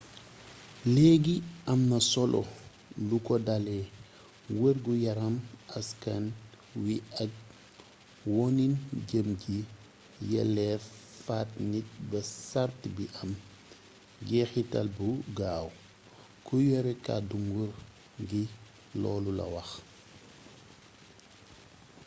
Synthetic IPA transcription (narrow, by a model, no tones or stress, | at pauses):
lɛɡiɐmnɐsɔlʔɔ̰ | lukɔdalɛ | wərɡujɐɾɐmɐskɐn | wiɐk̚ | wɔninɟəmɟi | jɛ̰lɛfaːt̚nit̚bɐsartbiʔɐm | ɡɛxitɐ̰lbuɡaːw | kujɔɾɛka̰duŋɡur | ɡi | lɔːlulɐ̰wɐx